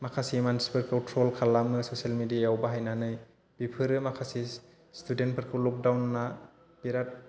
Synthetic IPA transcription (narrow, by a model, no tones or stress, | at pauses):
makʰasimansi̥pɯɾkʰawtʰɾolkʰalamɯsosialmidiajawbaɦajnanɯj | b̥ipʰɯɾɯmakʰasi | student̚pʰɯɾkʰɯlɔk̚dawnːa | b̥iɾat̚